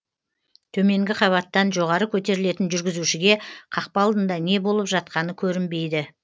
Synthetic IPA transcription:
t̪ʰɵme̞ŋɡʲɪqʰɑβɑt̪ːɑnʒo̞ʁɑɾəkʲʰɵt̪e̞ɾɪle̞t̪ɪnʒʏɾɡʲɪzuʃɪɡʲe̞qʰɑqpɑɑlˠd̪ənd̪ɑne̞bo̞lˠəpʒɑt̪̚qɑnəkʲʰɵɾɪmbe̞jd̪ɪ

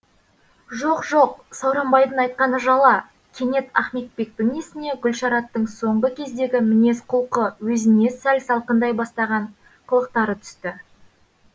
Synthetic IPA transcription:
ʒo̞qʒo̞q̚sɑwɾɑmbɑjd̪ənɑjt̪̚qɑnəʒɑlˠɑ | kʲʰe̞ne̞t̪æχme̞t̪̚be̞k̚b̪ɪŋesɪne̞ɡʲʏlʃɑɾɑt̪ːəɴso̞ɴʁəkʲʰe̞zd̪e̞ɡʲɪmɪne̞sqʰʊlˠqəwɵzɪne̞sælsɑlˠqənd̪ɑjbɑst̪ɑʁɑɴ | qʰəlˠəq̚t̪ɑɾət̪ʰʏ̥st̪ɪ

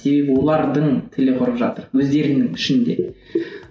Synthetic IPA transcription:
se̞be̞bɪwo̞lˠɑɾd̪əɴt̪ʰɪlɪqʰʊɾəpʒɑ̰t̪əɾwɵzd̪e̞ɾɪnɪŋɪʃɪnd̪e̞̰

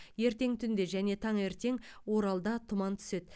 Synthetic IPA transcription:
je̞ɾt̪e̞ŋt̪ʰʏnd̪e̞ʒæne̞t̪ʰɑɴe̞ɾt̪e̞ŋwo̞ɾɑlˠd̪ɑt̪ʰʊmɑnt̪ʰʏ̥se̞t̪

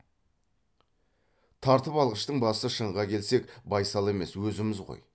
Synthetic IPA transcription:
t̪ʰɑɾt̪əpɑlˠʁəʃt̪əɴbɑsəʃəɴʁɑkʲʰe̞lse̞kbɑjsɑlˠe̞me̞swɵzɪmɪzʁo̰j

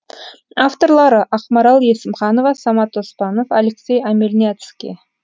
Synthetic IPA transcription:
aft̪o̞ɾlˠɑɾəʔɑqmɑɾɑlˠje̞sɪmχɑno̞vɑsɑmɑt̪ospɑno̞faleksʲe̞jæmelʲniat̪skʲḛ

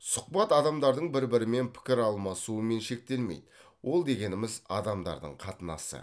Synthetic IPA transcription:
sʊq̚pɑt̪ɑd̪ɑmd̪ɑɾd̪əɴbɪɾbɪɾɪme̞npʰɪ̥kʲɪɾɑlˠmɑsuəme̞nʃe̞k̚t̪e̞lmejd̪̥ə | wʔo̞lˠd̪e̞ɡʲe̞nɪmɪzɑ̰d̪ɑmd̪ɑ̰ɾd̪ə̰ɴqʰɑt̪ənɑ̰sə̰

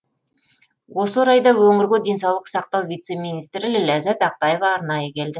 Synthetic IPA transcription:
wo̞səɾɑjd̪ɑwɵŋɪɾɡʲed̪e̞ns̬ɑwlˠəqsɑq̚t̪ɑwvijt̪se̞mijnijst̪ɾɪlɪlæzæt̪ɑq̚t̪ɑje̞vɑːɾnɑjəkʲʰe̞ld̪ɪ

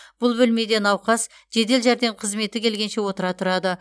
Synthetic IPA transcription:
b̥ʊlˠbʏlme̞d̪e̞nɑwqɑs | ʒ̥e̞d̪e̞lʒæɾd̪e̞ɴqʰəzme̞t̪ɪkʲʰe̞lɡʲe̞nʃe̞wo̞t̪əɾɑt̪ʰʊɾɑd̪ə

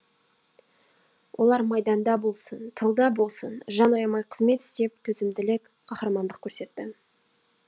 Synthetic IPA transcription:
wʔolˠɑɾmɑjd̪ɑnd̪ɑbo̞lˠsənt̪ʰəlˠd̪ɑbo̞lˠsənʒɑnojɑmɑjqʰəzme̞t̪ɪ̥st̪e̞p̚t̪ʰɵzɪmd̪ɪlɪk | qʰɑχɾɑmɑnd̪əq̚kʲʰɵɾse̞t̪ːɪ

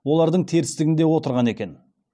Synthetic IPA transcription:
wo̞lˠɑɾd̪əɴt̪ʰeɾɪst̪ɪɡʲɪnd̪e̞wo̞t̪əɾʁɑne̞kʲe̞n

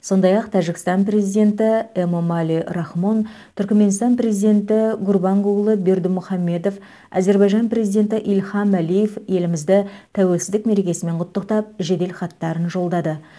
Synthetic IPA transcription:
so̞nd̪ɑjɑqt̪ʰæʒɪkʲɪst̪ɑnpre̞zijd̪e̞nt̪ɪemomɑliɾɑχmo̞n | t̪ʰʏɾkʲme̞nst̪ɑnpre̞zijd̪ʲe̞nt̪ɪɡʊrbɑɴqʊɡlˠəbe̞ɾd̪ɪmʊχɑmːe̞d̪o̞f | æ̰ze̞ɾbɑjʒɑnpɾe̞zijd̪e̞nt̪ɪʔilχɑmælije̞fje̞lɪmɪzd̪ɪt̪ʰæwe̞lsɪzd̪ɪkme̞ɾe̞kʲe̞sɪme̞ɴqʰʊt̪ːəqt̪ɑp̚ʒe̞d̪e̞lχɑt̪ːɑɾənʒo̞lˠd̪ɑd̪ə

